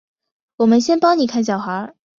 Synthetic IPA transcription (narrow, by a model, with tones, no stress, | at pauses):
wɔ˨˩mə˦nɕjɛ˥npɑ˥ŋni˨˩kʰa˥˩nɕ̬jɑ˨˩ʊxa˧˥